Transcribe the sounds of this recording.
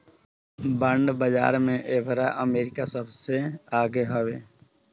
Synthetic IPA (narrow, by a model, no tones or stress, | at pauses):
bəɳɖbəd͡ʒa̰ːɾmẽʔeːbʱɾaʔəmeːɾɪkasəbseaːɡeɦəʋeː